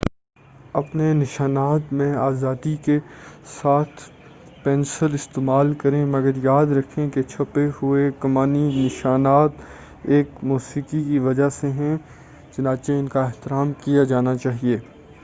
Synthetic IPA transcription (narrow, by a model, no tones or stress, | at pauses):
ɐpnenɪʃaːnaːt̪mẽaːzaːd̪ikesaːt̪ʰ | pɛ̃ːnsəlɪst̪eːmaːlkɐɾẽmɐɡəɾjaːd̪ɾɐkʰẽket͡ʃʰɐpeɦʊekɐmaːninɪʃaːnaːt̪ | eːkmuːsiːkikiʋɐd͡ʒaseɦɛ̃ | t͡ʃɐnaːt͡ʃeɪnkaɪɦt̪ɪɾaːmkijad͡ʒaːnat͡ʃaːɦieː